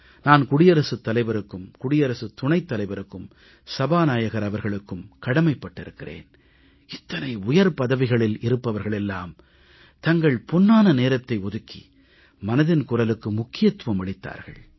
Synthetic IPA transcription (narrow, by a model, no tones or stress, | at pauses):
naːnkʊɽɪjɐɾɐsɯt̪ːɐlɐɪʋɐɾɯkːɯmkʊɽɪjɐɾɐsɯt̪ʊɳɐɪt̪ːɐlɐɪʋɐɾɯkːɯm | sɐbaːnaːjɐɣɐɾɐʋɐɾɣɐɭɯkːɯmkɐɽɐmɐɪpːɐʈːɪɾɯkːɪrḛːn | ɪt̪ːɐnɐɪʊjɐɾpɐðɐʋɪɣɐɭɪlɪɾɯpːɐʋɐɾɣɐɭɛlːaːm | t̪ɐŋɡɐɭpʊnːaːnɐneːɾɐt̪ːɐɪɔðɯkːḭ | mɐnɐðɪnkʊrɐlɯkːɯmʊkːɪjɐt̪ːʋɐmɐɭɪt̪ːa̰ːɾɣɐ̰ɭ